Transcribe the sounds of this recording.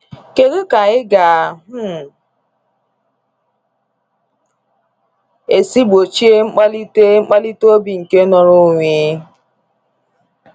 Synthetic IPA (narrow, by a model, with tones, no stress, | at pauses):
ke˨ɣu˦ka˨ɪ˦ɡa˨ɦ̩˦˨ | e˨si˦ɡ͡bo˨t͡ʃi˦e˦ŋ͡m̩˦k͡pa˦li˦te˦ŋ͡m̩˦k͡pa˦li˦to˦bi˨ŋ̩˨ke˦nɔ˦ɾʊ˦ŋʷi˨˦